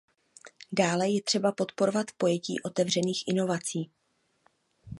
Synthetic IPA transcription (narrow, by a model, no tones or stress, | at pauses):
daːlɛjɛt̪r̝̥ɛbapo̞t̪po̞ɾovat̪po̞jɛcḭːʔo̞t̪ɛvr̝ɛniːxʔɪno̞vat͡siː